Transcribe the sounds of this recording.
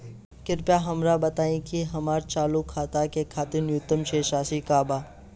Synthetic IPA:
kɪɾpjaɦɐmɾabɐt̪aːĩkiɦɐmaːɾt͡ʃaːlukʰːaːt̪akekʰaːt̪enjʊt̪ːəmʃeːʃaːsikaːbaː

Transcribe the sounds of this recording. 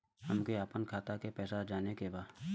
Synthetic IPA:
həmkeaːpənkʰaːt̪akepɛːsad͡ʒaːnekebaː

